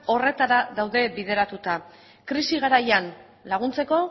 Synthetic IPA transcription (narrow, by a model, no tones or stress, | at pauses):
o̞re̞t̪aɾaðawðe̞βið̞e̞ɾat̪ut̪a | kɾisiɣaɾajan | laɣ̞unt͡se̞ko̞